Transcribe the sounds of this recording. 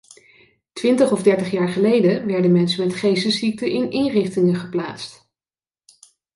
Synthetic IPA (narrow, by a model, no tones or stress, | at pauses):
tʋɪntəχɔvdɛɹtəχjaːɹχəlejdəʋɛɹdənmɛnsəmɛtχejsəsik̚təʔɪnʔɪnrɪχtɪŋəχəpla̰ːtst